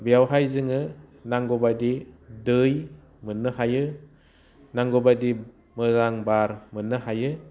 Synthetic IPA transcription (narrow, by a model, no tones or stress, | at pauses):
bijawɦajzɯŋɯnaŋɡɔbadidɯj | mɯnːɯhajɯ | naŋɡɔbadi | mɯzaŋbaɾmɯnːɯhajɯ